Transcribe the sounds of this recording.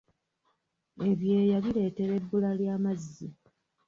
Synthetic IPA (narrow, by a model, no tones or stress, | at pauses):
e̞βje̞ːjaβile̞ːte̞ɾe̞dːulaljaːmazːi